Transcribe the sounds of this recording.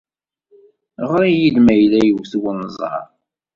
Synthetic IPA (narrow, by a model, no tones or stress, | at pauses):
ʁɾijid̪mæjlæjəwθwənːəzˤɑ̰ɾˤ